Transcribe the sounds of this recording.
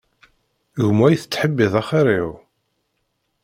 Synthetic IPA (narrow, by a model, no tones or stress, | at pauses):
ɣmæjθət͡sːħəbːiðˤæχɪɾiʁ